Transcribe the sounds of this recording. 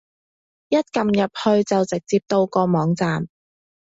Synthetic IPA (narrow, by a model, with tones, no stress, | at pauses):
jɐ˥t̚kɐ˨mjɐ˨p̚hɵ˧ɥt͡sɐ˨wt͡sɪ˨k̚t͡siː˧p̚t̪o˧wkɔː˧mɔː˨˧ŋt͡saː˨m